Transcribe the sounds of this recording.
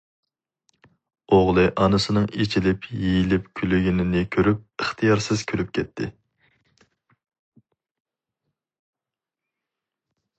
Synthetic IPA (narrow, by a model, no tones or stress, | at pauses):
oʁlˠɨʔɑnɨsɨnɨŋet͡ʃʰilɪpjejilɪp̚kʲʰylyɡʲinɪnɪkʲʰøɾyp̚əχt̪ʰɨjɑɾsɨz̥kʲʰølyp̚kʲʰɛt̪ʰːɪ̰